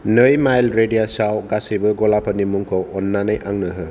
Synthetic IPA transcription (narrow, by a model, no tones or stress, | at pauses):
nɯjmajlɾedijasawɡasibɯɡɔlapʰanimuŋkʰowɔnːanɯjʔaŋnɯɦɯ